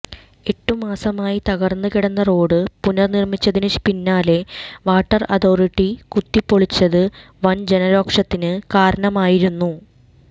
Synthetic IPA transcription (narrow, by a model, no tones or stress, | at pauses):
e̞ʈːumaːsɐmaːjit̪ɐɣɐrnːɨkiɽɐnːɐro̞ːɽɨpunɐrnirmit͡ɕːɐðinɨpinːaːle̞ʋaːʈːɐrɐ̰ðo̞ːriʈːikut̪ːipːo̞ɭit͡ɕːɐðɨ | ʋɐnd͡ʑe̞nɐɾo̞ːkʂɐt̪ːinɨkaːɾɐɳɐmaːjiɾunːu